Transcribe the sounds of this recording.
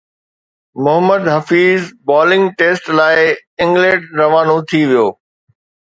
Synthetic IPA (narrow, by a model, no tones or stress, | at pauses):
mʊɦəməd̪ɦɐfiːzbaːlɪ̃ŋɡʈeːsʈlaːɪɪ̃ŋɡlẽɖɾɐʋaːnot̪ʰiʋijoː